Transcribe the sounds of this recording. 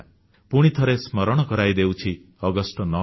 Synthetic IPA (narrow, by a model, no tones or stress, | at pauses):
puɽ̃it̪ʰʌɾesmʌɾɔɽ̃ɔkʌɾajd̪ewt͡ʃʰi | ʌɡʌsʈɔnɔ